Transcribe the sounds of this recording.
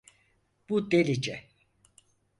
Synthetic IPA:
b̥ud̪elid͡ʒɛ

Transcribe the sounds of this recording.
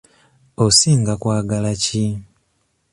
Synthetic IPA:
osiːŋɡakwaːɡalaci

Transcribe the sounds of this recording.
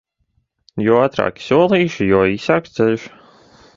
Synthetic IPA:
jɔat̪ɾa̰ːkʲi̥suɔlˠiːʃjɔːisaːkst̪zɛʎʲʃ

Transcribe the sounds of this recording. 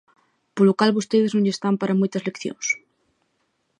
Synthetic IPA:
polokalβost̪eðeznõŋʎest̪ampaɾamojt̪ɐszlekθjõ̰ŋs

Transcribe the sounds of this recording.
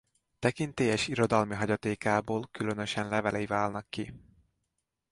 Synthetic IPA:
t̪ɛkint̪eːjɛʃiɾo̞d̪ɒlmiɦɒɟɒt̪eːkaːboːlkylø̞nø̞ʃɛnlɛvɛlɛivaːlnɒkːi

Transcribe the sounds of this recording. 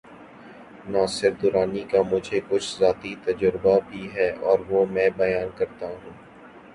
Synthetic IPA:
naːsɪɾd̪ʊɾaːnikamʊd͡ʒʱekʊt͡ʃʰzaːt̪it̪ɐd͡ʒəɾbabʱiɦɛːʔɔːɾʋoːmɛ̃ːbɐjaːnkɐɾt̪aɦũː

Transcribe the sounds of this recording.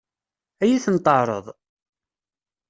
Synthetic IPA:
æjiθənt̪ˤəʕɾˤə̰ðˤ

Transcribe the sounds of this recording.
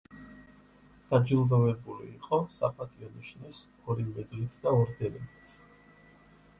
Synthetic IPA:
d̪̥ad͡ʒilˠd̪ɔvɛbulḭːqʼɔsa̰pʰʼat̪ʼiɔniʃnis | ɔɾimɛd̪lit̪ʰd̪aɔɾd̪ɛɾɛmit̪ʰ

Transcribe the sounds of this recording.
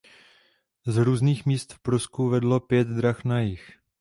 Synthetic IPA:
zɾuːzniːxmiːst̪fpɾoskuvɛdlopjɛt̪d̪ɾaxnajɪx

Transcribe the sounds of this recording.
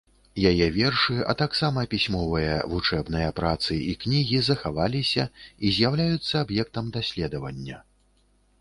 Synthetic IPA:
jajɛvʲɛrʂɨɐ̰t̪aksamɐpʲisʲmɔvɨjɐ̰vut͡ʂɛbnɨjɐpɾat̪sɨiknʲiɣʲizɐxavalʲisʲɐizʲjawlʲajut̪sːɐabjɛk̚t̪ɐmd̪asʲlʲɛd̪ɐvɐnʲːɐ

